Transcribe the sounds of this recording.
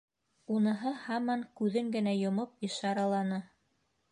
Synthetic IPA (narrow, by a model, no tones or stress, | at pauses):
unɤ̆ɦɤhɑmɑŋkʉðɘŋɡɘ̆næjŏmopɤ̆ʃɑɾɑlˠɑnɤ